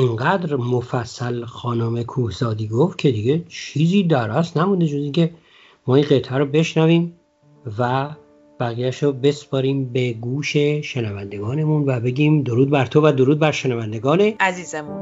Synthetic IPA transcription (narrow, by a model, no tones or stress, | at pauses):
iŋɡæd̪ɾmofæsːælxɒːnomekʰuːhzɒːd̪iːɡoft̪̚cʰe̞d̪iɡe̞t͡ʃʰiːziːd̪æɾæsnæmund̪e̞d͡ʒoziŋcʰe̞ | mɒːinɢet̪ʰæɾobe̞ʃnæviːm | væ | b̥æɣijæʃɾobe̞spɒːɾiːmbeɡuːʃe̞ʃenævænd̪e̞ɡɒːne̞munvæbe̞ɡʲiːmd̪oɾuːd̪̚bæɾt̪ʰovæd̪oɾuːd̪̚bæɾʃenævænd̪e̞ɡɒːne̞æziːzemun